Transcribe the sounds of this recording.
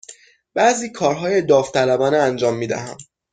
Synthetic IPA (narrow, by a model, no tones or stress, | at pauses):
b̥æziːkʰɒːɾɦɒːjed̪ɒːft̪ʰælæbɒːneænd͡ʒɒːmːiːd̪æ̰ɦæm